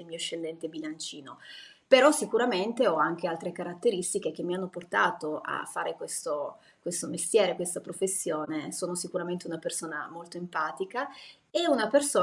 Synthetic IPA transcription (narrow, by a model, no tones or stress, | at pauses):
elmiːoeʃːelːɛnt̪ebilant͡ʃiːno | peɾɔsikuɾament̪eɔaŋk̟ealt̪ɾekaɾat̪ːeɾist̪ik̟ek̟emːianːoport̪aːt̪oa̰fːaːɾekwest̪o | kwest̪omest̪jɛːɾekwest̪apɾofesːjoːnesoːnosikuɾament̪eunapersoːna̰molt̪oempaːt̪ika | eunapersoː